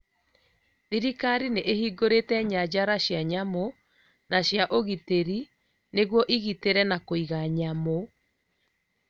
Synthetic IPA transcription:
ðiɾikaɾineʔehiːɡoɾetɛɲad͡ʑaɾaɕjaɲamo | naɕjaʔoɣiteɾi | neɣwɔʔiɣiteɾɛnakoiɣaɲamo

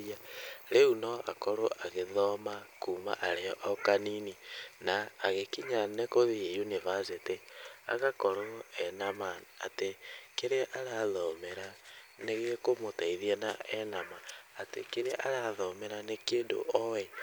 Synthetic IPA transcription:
aɾeunɔa̰kɔɾoʔaɣeðɔmakuma̰ʔaɾeɔʔɔkanininaːɣekiɲanekoðiejunivasetea̰ɣakɔɾoɛnamaa̰tekeɾeʔaɾaðɔmeɾa | neɣekomotaiðianaɛnamaːtḛkeɾeʔaɾaðɔmeɾanekeːndo̰ʔɔɛ

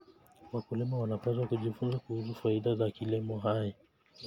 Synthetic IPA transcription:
wakulimawanapɛzwakuʄifunzakuhus̬ufaiɗazakilimɔɦaja

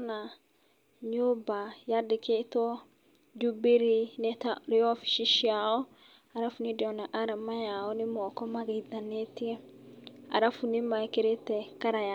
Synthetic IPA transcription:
na | ɲobajadɪket̪ɔ | d͡ʒubeɾinɛtaɾeɔfi̥ʃiʃiaɔ | aɾafunidɛɔnaʔaɾamajaɔnɪmɔkɔmaɡaid̪anet̪i | a̰ɾafunimakeɾetɛkaɾaja

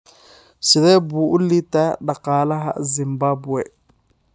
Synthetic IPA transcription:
siɾɛbuulitaɗaqaːlaɦa̰zimbabwɛ

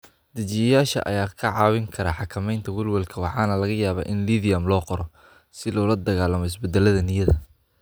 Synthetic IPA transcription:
d̪ɐt͡ʃɪjɐjaːʃɐ̰ʔɐ̰jaːkʰɐʕɑːwɪŋkʰɐɾɐːħɑkʰɐmɛjnt̪ʰɐwʊlwɐlkʰɐwɑħɑːnɐlɐɣɐjaːβa̰ːʔɪnliðɪjɐmlɔːqɔɾɔ | sɪlɔːlɐd̪ɐɣaːlɐmɔɪsbɛd̪ɛlɐðɐnɪjɐðɐ

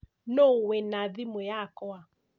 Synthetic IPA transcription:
nowɛnaðimojakɔa

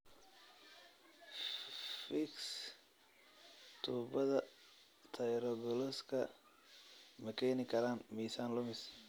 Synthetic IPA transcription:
fɪks | t̪ʰuːbɐðɐ | t̪ʰɐjɾɔɡɔlɔskʰɐ̰ | mɐkʰɛːnɪkʰɐɾaːnmiːsaːnlʊmɪs

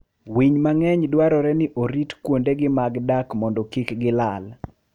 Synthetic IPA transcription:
wiɲmaŋɛɲdwaɾɔɾɛnɪʔoɾitkwondeɡɪmaɡdakmɔndɔkikɡɪlal

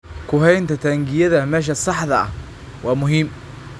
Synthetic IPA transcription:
kʰʊɦɛjnt̪ʰɐt̪ʰɐŋɡɪjɐðɐmɛːʃ̬ɐsɑħðɐɐ̰h | wɑːmʊɦiːm

